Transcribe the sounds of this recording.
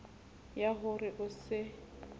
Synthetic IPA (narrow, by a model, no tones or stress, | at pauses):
jaɦʊrɪʔʊsɪ